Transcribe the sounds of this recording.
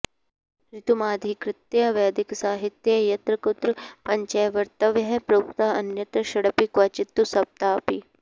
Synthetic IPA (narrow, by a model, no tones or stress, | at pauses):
ɾɪt̪umaːd̪ʱikɾɪt̪jɐɐʋjaːd̪iksaːɦit̪jɐjɐt̪ɾɐkut̪ɾpɐɲt͡ʃɐjʋɐɾt̪ɐʋjɐɦpɾoːkt̪aːɐnjɐt̪ɐʃɐɽɐpikʋɐt͡ʃit̪ːusɐb̚t̪aːpi